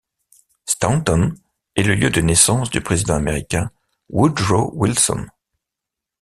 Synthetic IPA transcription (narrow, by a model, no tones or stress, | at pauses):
st̪at̪ɔn | ɛləljød̪ənɛsɑ̃sd̪ypχezid̪ɑ̃ameʁikʲɛ̃ | wud̪ʁowilsɔ̰n